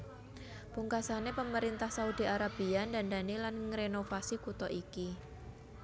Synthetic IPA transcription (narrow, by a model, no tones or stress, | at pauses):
puŋkasanepəməɾint̪ahsaud̪i̤aɾab̥iandandanilanŋɾenofasikut̪ɔʔiki